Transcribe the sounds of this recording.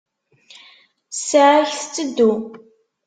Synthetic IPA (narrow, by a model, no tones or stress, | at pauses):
saʕaçθt͡sːəd̪ːu